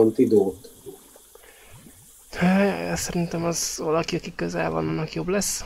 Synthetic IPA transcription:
ont̪id̪oːt̪ | øjɒ̰jɒsɛɾint̪ɛmɒzvɒlɒkiɒkikøzɛ̰lvɒ̰nɒnːɒkjo̞blɛsː

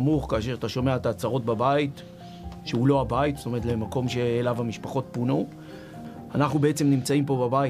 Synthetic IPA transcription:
amuχkaːʃe̞ʁat̪aʃo̞me̞aet̪at͡saʁo̞t̚babait | ʃeulo̞abaitz̥sto̞me̞etle̞mako̞mʃe̞ːlavhamiʃpaχo̞t̚puno | anaχnubeet͡se̞mnimt͡saimpobabai

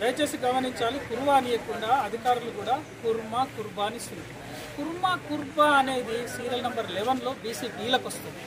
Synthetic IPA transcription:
ɾɐjt͡ʃe̞ːsiɡɐmɐɾiɲt͡ʃaːlikuɾuʋaːnijɐkuɳɖaːɐd̪ʱikaːɾulukuːɽaːkuɾmaːkuɾbaːnisi | kuɾmaːkuɾbaːɐne̞ːd̪isiːɾɐlnɐmbɐɾlɛʋɐnlo̞ːbiːsiːpiːlɐkɐst̪und̪i

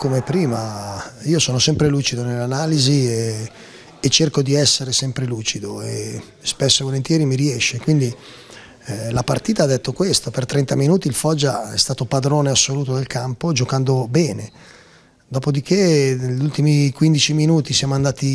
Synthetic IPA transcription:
komepɾiːmaiːosɔːnosɛmpɾeluːt͡ʃid̪onelːanaːlizie | et͡ʃːerkod̪iɛsːeɾesɛmpɾeluːt͡ʃid̪oe | spesːovolent̪jɛːɾimiɾiɛʃːekwind̪i | lapart̪iːt̪aːd̪ːet̪ːokwest̪opert̪ɾɛnt̪aminuːt̪iːlfɔd͡ʒːaɛ̰st̪aːt̪opad̪ɾoːneasːoluːt̪od̪elkampod͡ʒokand̪obɛːne | d̪ɔːpod̪ik̟ʰenʎːult̪imikwind̪it͡ʃiminuːt̪isjaːmoand̪aːt̪i

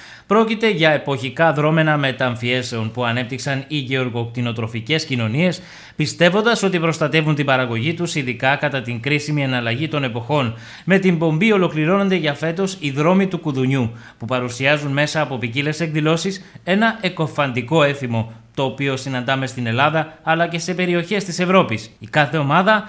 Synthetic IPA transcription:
pɾo̞cit̪e̞ʝɐe̞po̞çikɐðɾo̞me̞nɐme̞t̪ɐɱfie̞se̞o̞npuɐne̞p̚t̪iksɐniʝe̞o̞ɾɣo̞kt̪ino̞t̪ɾo̞fice̞scino̞nie̞s | pist̪e̞vo̞nd̪ɐso̞t̪ipɾo̞st̪ɐt̪e̞vunt̪ibɐɾɐɣo̞ʝit̪usinðikɐkɐt̪ɐt̪iŋkɾisimienɐlɐʝit̪o̞ne̞po̞xo̞n | me̞t̪imbo̞mbio̞lo̞kliɾo̞no̞nd̪e̞ʝɐfe̞t̪o̞siðɾo̞mit̪ukuðuɲu | pupɐɾusiɐzunme̞sɐːpo̞picile̞se̞kðilo̞sise̞nɐʔe̞ko̞fɐnd̪iko̞e̞θimo̞t̪o̞ːpio̞sinɐnd̪ɐme̞st̪ine̞lɐðɐːlɐce̞se̞pe̞ɾio̞çe̞st̪ise̞vɾo̞pisikɐθe̞o̞mɐðɐ

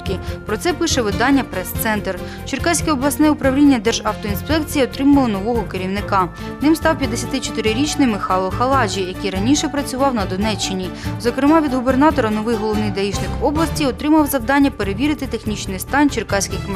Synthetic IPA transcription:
kɪpɾɔt̪sɛpɪʃɛʋɪd̪ɑnʲːɐpɾɛst̪sɛnt̪r | t͡ʃɪrkɑsʲkɛɔblˠɐsnɛʊpɾɐwlʲinʲːɐd̪ɛrʒɑwt̪ɔinspɛkt͡sʲijiɔt̪ɾɪmɐlˠɪnɔʋɔɦɔkeɾʲiwnɪkɑ | nɪmst̪ɑwpʲjɐd̪esʲɐt̪ɪt͡ʃɔ̥t̪ɪɾɪɾʲit͡ʃnɪjmɪxɑlˠːɔxɐlˠɑd͡ʒʲijɐkɪjɾɐnʲiʃɛpɾɐt͡sʲʊʋɑwnɐd̪ɔnɛt͡ʃːɪnʲizɔkɾɪmɑʋʲid̪ɦʊbernɑt̪ɔɾɐnɔʋɪjɦɔlˠɔwnɪjd̪ɐjiʃnɪkɔblˠɐsʲtʲiɔt̪ɾɪmɐwzɐwd̪ɑnʲːɐpeɾeʋʲiɾɪt̪ɪt̪exnʲit͡ʃnɪjst̪ɑnʲt͡ʃɪrkɑsʲkɪx

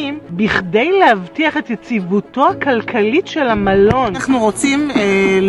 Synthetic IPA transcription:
imbiχde̞jlehavtiaχe̞tjet͡sivuto̞akalkʰalitʃe̞lamalo̞naχnuʁot͡simel

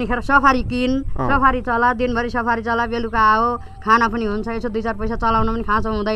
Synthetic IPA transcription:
nikʰeɾʌsʌpʰaɾikinsʌpʰaɾit͡sʌlad̪inbʱʌɾisʌpʰaɾit͡sʌlabelukaːo | kʰanapʌniɦunt͡sʰʌesod̪ujt͡sarpʌjsat͡sʌlawnʌpʌnikʰãt͡sʰʌ̃ɦũd̪ʌj

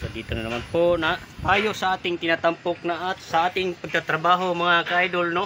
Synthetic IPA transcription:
sad̪it̪ananamanpona | paːjosɐaːt̪ɪŋt̪ɪnat̪ampok̚naʔasaaːt̪ɪŋpaɡ̚kat̪ɾabaɦomɐŋakaʔajd̪olno

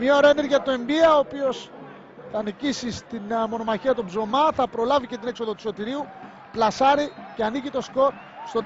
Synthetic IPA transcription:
mɲɐoɾeneɾʝɐt̪oe̞mbiɐoːpio̞s | θɐːnicisist̪inmo̞no̞mɐçiɐt̪obzo̞mɐθɐpɾo̞lɐvice̞t̪ine̞kso̞ðot̪u̥so̞t̪iɾiu | plɐsɐɾiceɐnicit̪o̞sko̞ɾ | st̪o̞t̪

